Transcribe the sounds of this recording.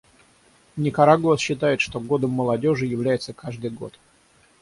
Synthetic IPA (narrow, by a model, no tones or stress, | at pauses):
nʲɪkɐɾaɡəsɕːɪt̪ajɪt̪ʂt̪o̞ɡo̞d̪əmːəlˠɐdʲo̞ʐɨjɪvlʲæjɪt̪səkaʐd̪ɨjɡo̞̰t̪